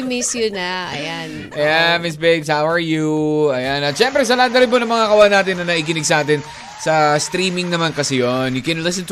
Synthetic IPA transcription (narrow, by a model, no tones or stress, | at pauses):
mɪsjʊnɐʔɐ̰janʔɐjanmɪsbɛɡshawɐɹjuɐjanɐt̪̚ʃɛmpɾɛs̬ɐland̪ɐɾɪnbonɐŋmɐŋakɐʔwaanaːt̪ɪnːɐnɐʔiːk̬ɪnɪɡ̚sɐʔaːt̪̬ɪn | sɐst̪ɾiːmɪŋnɐmankɐsɛjonjʊkɛ̃nlɪs̬ɛ̃nt̪